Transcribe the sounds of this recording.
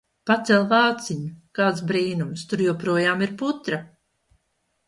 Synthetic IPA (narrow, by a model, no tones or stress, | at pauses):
pat̪sɛlˠvaːt̪siɲukaːt̪sbɾiːnumst̪uɾjuːpɾuɔjaːmiɾput̪ɾa